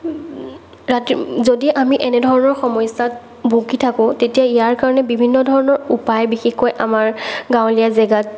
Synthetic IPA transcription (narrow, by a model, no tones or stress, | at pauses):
ɹatzodiʔamiʔɛnɛdʱɔɹɔnɔɹxɔmɔjsat | bʱukitʰakʊ̃tetijaijaɹkaɹɔnɛbibʱinːɔdʱɔɹɔnɔɹupajbixexkojʔamaɹɡãwlijazɛɡat̚